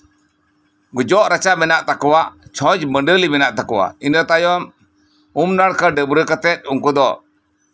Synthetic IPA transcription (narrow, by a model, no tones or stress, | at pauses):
ɡud͡ʒɔʔɾat͡ʃabɛnaʔt̪akɔwaʔt͡ʃʰɔ̃d͡ʒbəɳɖəlibɛnaʔt̪akɔwa̰inət̪ajɔm | umnaɽkəɖəbɾəkat̪ɛt̪̚ˀuŋkud̪ɔ